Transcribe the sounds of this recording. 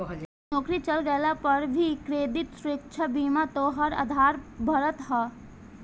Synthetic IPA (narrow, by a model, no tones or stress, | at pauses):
nɔːkɾit͡ʃəlɡəlapɐɾbʱikɾeːd̪it̪sɾekt͡ʃʰabiːmat̪oɦɐɾa̰d̪ʱaːɾbʱɐɾət̪ɦɛ